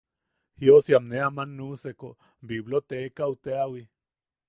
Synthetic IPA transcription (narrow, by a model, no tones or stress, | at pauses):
hiosjamneamanːuseko | biβlot̪ekaut̪eawi